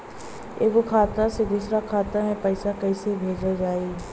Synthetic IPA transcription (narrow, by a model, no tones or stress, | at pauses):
ḛːkokʰaːt̪ased̪uːsɾakʰaːt̪amẽpəɪsakɛisebʱeːd͡ʒad͡ʒaːi